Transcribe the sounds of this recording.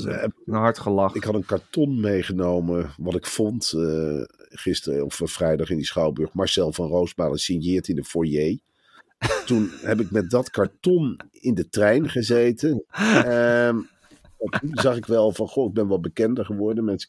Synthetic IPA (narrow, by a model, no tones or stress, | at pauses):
ɛpɦɑɹtχəlɑɪkɦɑtənkɑɹtɔnmejχənowməʋɑtɪkfɔnt | χɪstərɔffrɛjdɑχɪndisχɑwbøɹχmɑɹsɛlˠvɑnrowsmaːləsinjɪːɹtɪndəfɔɹjej | tunɦɛp̬ɪkmɛt̚dɑtkɑɹtɔn | ɪndətrɛjnχəzejtə | aunzɑχɪkʋɛlˠvɑnχoɪɡ̚bɛnʋɑt̚bəkɛndəɹχəʋɔɹdəmɛnsə̥